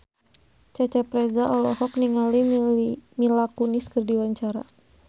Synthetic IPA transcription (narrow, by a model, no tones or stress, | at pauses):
t͡ʃat͡ʃɛpɾɛzaʔɔlɔhɔk̚niŋali | milakuniskɨrdiwaɲt͡ʃaɾa̰